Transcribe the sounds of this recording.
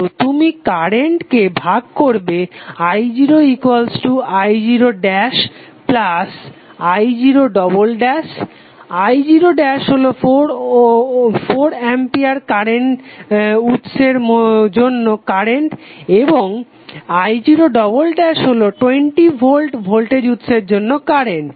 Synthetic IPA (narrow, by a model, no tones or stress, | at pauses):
ot̪umikaɾeɳʈkebʱaɡ̚koɾbeajd͡ʑiɾoikwalsʈuajd͡ʑiɾoɖɛʃ | plas | ajd͡ʑiɾoɖɔbolɖɛʃ | ajd͡ʑiɾoɖɛʃɦolofoɾ | foɾɛmpiaɾkaɾeɳʈ | ut̪ʃeɾmd͡ʑonːokaɾeɳʈeboŋ | ajd͡ʑiɾoɖɔbolɖɛʃɦoloʈweɳʈibʱolʈbʱolʈed͡ʑut̪ʃeɾd͡ʑonːokaɾeɳʈ